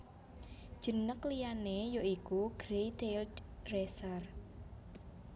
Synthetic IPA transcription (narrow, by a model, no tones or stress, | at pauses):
d̥ʒ̥ə̤nəklijanejoikuɡ̥ɾet̪elresar